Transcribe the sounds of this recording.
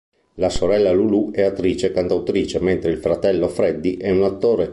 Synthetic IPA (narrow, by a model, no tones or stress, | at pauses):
lasoɾɛlːaluluɛat̪ːɾiːt͡ʃekant̪awt̪ɾiːt͡ʃement̪ɾeilfɾat̪ɛlːofɾɛd̪ːiʔɛunat̪ːoːɾe